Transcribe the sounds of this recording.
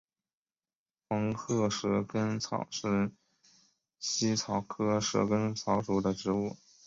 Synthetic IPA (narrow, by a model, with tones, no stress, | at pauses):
xɑ˧˥ŋkʰɤ˥ʂɻ̩˧˥kə˥nt͡sʰɑ̰˨˩ʊʂɻ̩˥˩ | ɕi˥t͡sʰɑ˧˥ʊkʰɤ˥ʂ̩˧˥kə˥nt͡sʰɑ˧˥ʊʈ͡ʂu˨˥˩d̪ə˧ʈ͡ʂɻ̩˧˥u˥˩